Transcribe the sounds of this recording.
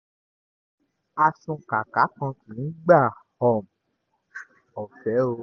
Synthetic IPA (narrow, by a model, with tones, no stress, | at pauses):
a˧sũ˧ka˨ka˨˦kã˧tĩ˨nĩ˨˦ɡ͡ba˦˨hɔ˨m̩˨ | ɔ˨fɛ˨˦o˧